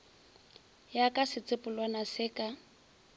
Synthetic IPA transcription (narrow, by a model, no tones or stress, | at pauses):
jakʼasɪt͡sʼɪpʼʊlwanasɪːkʼa